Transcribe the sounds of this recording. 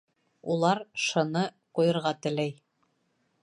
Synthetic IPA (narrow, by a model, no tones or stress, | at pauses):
ulˠɑɾʃɤ̆nɤ | qujɤ̆ɾʁɑt̪ɘ̆læj